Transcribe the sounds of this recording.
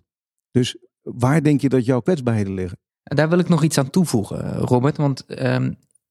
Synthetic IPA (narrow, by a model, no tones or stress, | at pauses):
d̥ɵs | ʋaːɹdɛŋkjədɑtjɔwkʋɛdzbaːɹɦejdəlɪχə | nadaːɹʋɪlˠɪknɔχitsaːntuvuχə̰roːbəɹtʋɑntəm